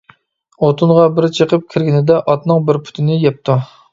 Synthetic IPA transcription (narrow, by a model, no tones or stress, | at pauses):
ot̪ʰunʁɑbɪɾt͡ʃʰəqəp̚kʲʰiɾɡʲinɪd̪ɛʔɑt̪nɨŋbɪɾpʰu̥t̪ʰɪnɪjɛp̚t̪ʰu